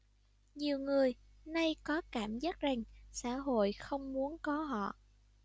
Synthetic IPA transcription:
ɲi˨˩əwŋɨ˨˩əj | na˧jkɔ˨˦kaː˧˩mzaː˦˥t̚za˨˩ŋsa̰ː˧˥ɦo̰˧˨jxə˧wŋ͡mmu˨˦ənkɔ˨˦ɦɔ̰˧˨

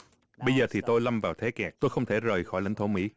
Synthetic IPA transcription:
ɓə˧jzəː˨˩t̪ʰi˨˩t̪o˧jla˧mvaː˨˩wt̪ʰe˨˦kɛː˨˩k̚t̪o˧jxə˧wŋ͡mt̪ʰe˧˩zəː˨˩jxɔ˧˩jlï˨˦ŋ̟t̪ʰo˧˩˦mḭ˧˥

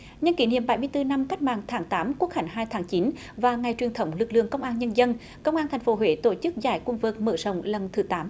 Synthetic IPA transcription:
ɲə˧nki˧˩˦nḭ˧˨əmɓa˧˩jmɨ˧əjt̪ɨ˧na˧mka˦˥k̟̚ma̰ː˧˨ŋt̪ʰaː˨˦ŋt̪aː˨˦mku˦˥ək̚ha˧˩jŋ̟ɦaː˧jt̪ʰaː˨˦ŋt͡ɕi˨˦n | vaː˨˩ŋa˨˩jt͡ɕwi˨˩nt̪ʰə˨˦wŋ͡mlɨ˨˩k̚lɨ̰˧˨əŋkə˧wŋ͡mʔaː˧nɲə˧nzə˧n | kə˧wŋ͡mʔaː˧nt̪ʰjŋ̟fo˨˦ɦwe˧˦t̪o˧˩t͡ɕɨ˦˥k̚za̰ː˧˩jkŋ͡mvɨ˨˩k̚mə̰˧˩zə̰˧˨wŋ͡mlə˨˩nt̪ʰɨ˨˩˦t̪aː˨˦m

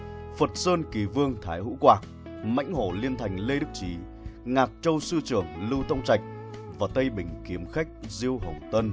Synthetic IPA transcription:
fə˨˩t̚səː˧nki˨˩vɨ˧əŋt̪ʰaː˨˦jhṵ˧˥kwaː˨˩k̚ | ma̰˧˥jŋ̟ɦo˧˩li˧ənt̪ʰa˨˩jŋ̟le˧ɗɨ˦˥k̚t͡ɕi˨˦ | ŋaː˨˩t̚t͡ɕə˧wsɨ˧t͡ɕɨ˨˧˩əŋlɨ˧wt̪ʰə˧wŋ͡mt͡ɕa˨˩jk̟̚ | vaː˨˩t̪ə˧jɓï˨˩ŋ̟ki˨˦əmxa˦˥k̟̚zi˧əwɦə˨˩wŋ͡mt̪ə˧n

